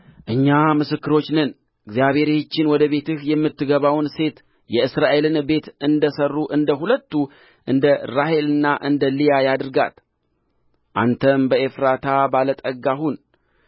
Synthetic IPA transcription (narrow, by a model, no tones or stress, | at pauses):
ʔɨɲːamɨsɨkːɨɾo̞t͡ʃːnɨn | ɨɡzijaβhe̞ɾet͡ʃːɪnwɔd̪əβe̞t̪ɨhjɛmːɨt̪ːɨɡəβawnse̞t̪ | jɛɨsɾaʔe̞lɨnbe̞t̪ɨnd̪əsərːuʔɨnd̪əɦulət̪ːu | ʔɨnd̪əɾahe̞lɨnːaʔɨnd̪əlijajad̪ɨɾɡa̰t̪ | ʔa̰nt̪ʰəmbəʔefɾat̪ʰabalət̪ʼəɡaɦun